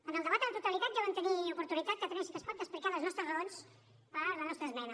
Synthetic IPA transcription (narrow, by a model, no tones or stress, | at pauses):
ənəlˠd̪əβat̪əðət̪ut̪əlit̪at̪ʒaβant̪əniupuɾt̪unit̪at̪̚kət̪ənɛmsit̪əspɔt̪d̪əsplikaðəznɔst̪ɾəzɣəons | pələznɔst̪ɾəzmɛnə